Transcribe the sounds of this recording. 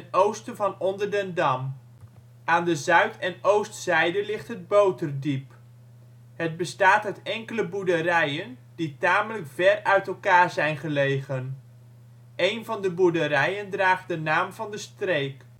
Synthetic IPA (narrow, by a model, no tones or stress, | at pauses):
ənowstənvɑnɔndəɹdəndɑm | ʔaːndəzœɥtɛnowstsɛjdəlɪχtɦəd̚bowtərdip | həd̚bəstaːtœɥtɛŋkələbudərɛjən | ditaːmələkfɛrœɥtɛlˠkaːɹzɛjnχəlejχən | ʔejnvɑndəbudəɾɛjəndraːχdənaːmvɑndəstrejk